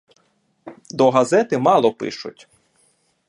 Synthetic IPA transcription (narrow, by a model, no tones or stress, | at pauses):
d̪ɔɦɐzɛt̪ɪmɑlˠɔpɪ̰ʃʊ̰tʲ